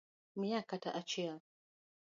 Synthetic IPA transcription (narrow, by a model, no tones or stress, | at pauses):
mijakata̰ʔat͡ʃia